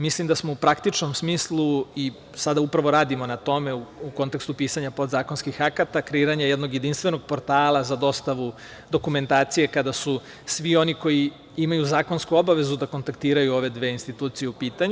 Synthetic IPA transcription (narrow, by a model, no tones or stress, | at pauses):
mislimd̪asmoupɾakt̪it͡ʂno̞msmiːslˠui | sad̪aupɾaʋo̞ɾaːd̪imo̞nat̪o̞me̞uuko̞nt̪e̞kst̪upiːsaɲapo̞d̪zaːko̞nskixakat̪akɾeiːɾaɲajed̪no̞ɡje̞d̪inst̪vʋe̞no̞ɡ̚po̞ɾt̪aːlˠazad̪o̞st̪aʋu | d̪o̞kume̞nt̪aːt̪sije̞kad̪asu | sʋio̞niko̞ji | imajuzaːko̞nskuo̞baʋe̞zud̪ako̞nt̪akt̪iːɾajuoʋe̞d̪ʋeːinst̪it̪uːt̪sijeupiːt̪aɲu